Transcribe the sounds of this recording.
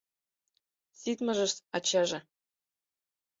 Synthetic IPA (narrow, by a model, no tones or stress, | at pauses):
sit̪mɤ̆ʒɤ̆ʃɑ̰t͡ɕɑʒɤ̆